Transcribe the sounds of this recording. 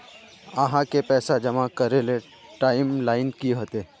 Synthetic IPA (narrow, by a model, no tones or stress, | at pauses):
ɐɦãkepɛːsad͡ʒɐmakɐɾele | ʈaːɪmlaːɪnkiɦoːt̪eː